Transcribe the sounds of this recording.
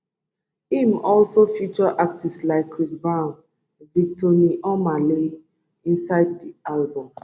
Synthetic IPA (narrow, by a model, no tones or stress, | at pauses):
ĩmɔlsofut͡ʃɔʔak̚tislaɪkːɹisbãn | vik̚tʰɔniʔɔmale | ĩnsaɪd̚dialbɔ̃m